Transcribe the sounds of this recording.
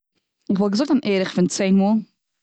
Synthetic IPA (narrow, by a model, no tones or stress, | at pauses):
ɪχvɔlˠɡəzʊktanʔeːɾɪχfɪnt͡seɪnmuːlˠ